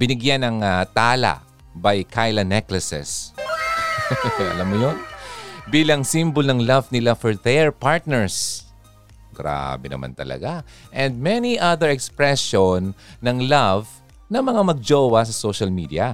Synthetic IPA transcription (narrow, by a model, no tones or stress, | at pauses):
b̥ɪnɪɡjanɐŋat̪aːla̰ʔ | bajkʰajlɐnɛklɐsɛ̰s | ʔɐ̰lamːʊjonbiːlɐŋsimbolnɐŋlavnɪlafɛɹðɛɹpaɹt̪̚nɛɹs | ɡ̥ɾa̰bɛnɐ̰ma̰nt̪ɐ̰lɐ̰ɡaʔɛ̃nd̪̚mɛniʔaðɛɹɛkspɹɛsonːɐŋlav | nɐŋmɐŋamɐɡ̚d͡ʒoːwɐs̬ɐsoʃɐlmid̪iɐ